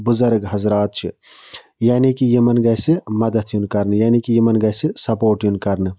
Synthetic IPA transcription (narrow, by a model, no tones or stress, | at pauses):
buzɐɾɡɦɐzɾaːt̪̚t͡ʃʰi | jaːnikijimɐnɡɐsimɐd̪ɐt̪ʰjunkɐɾnɨjaːnikijimɐnɡɐsisɐpoːʈjunkɐɾnɨ